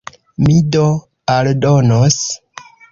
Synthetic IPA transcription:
mido | aldonos

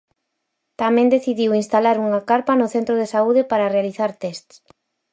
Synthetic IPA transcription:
t̪amɛ̃nd̪eθiðiwinst̪alaɾuŋakaɾpɐnʊθent̪ɾʊð̞esauðɪpaɾɐrealiθaɾt̪ɛst̪s

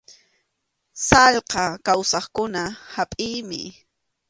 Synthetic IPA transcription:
sɑʎqɑkawsɑχkʊnahapʼɪːmɪ̰

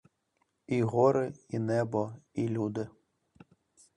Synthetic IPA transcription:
iɣɔɾɪinɛbɔilʲud̪ɪ

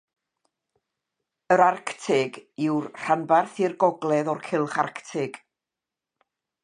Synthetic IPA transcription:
əɾarktʰɪɡɪwrr̥anbarθirɡɔɡlˠɛðɔrkʰɪlˠχa̰rktʰɪɡ̥

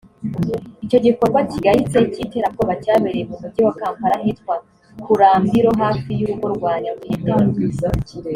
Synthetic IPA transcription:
ico̞ɟiko̞ɾɡaciɡahit͡se̞cite̞ːɾak̚ɡoβacaːβeɾeemumudɟiwakaːmpaɾaɦitkwa | kuɾaːmbiɾo̞ɦaːfijuɾuɡo̞ɾɡwaːɲamuhite

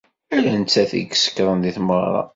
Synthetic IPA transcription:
ælænt͡sːæθḭɡsə̥kːɾˤənðiθməʁɾˤɑ̰

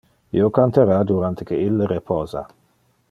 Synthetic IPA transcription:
ḭokant̪eɾad̪uɾant̪ekeilːɾepʰɔːza̰

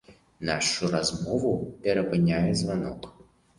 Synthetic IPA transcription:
naʂʊɾɐzmɔvʊpʲɛɾəpɐnʲajɪzvanɔ̰k

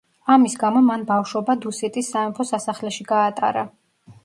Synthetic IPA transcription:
amisɡamɔmanbafʃwɔbad̪usɛt̪ʼisːamɛpʰɔsasaχlɛʃiɡaːt̪ʼa̰ɾa

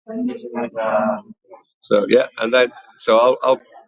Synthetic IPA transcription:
soʊjæʔə̰̃nðə̃n | soʊaɪlʔa̰ɪl

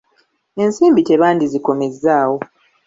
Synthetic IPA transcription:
e̞nsiːmbiteβaːndiziko̞me̞zːaːwo̞

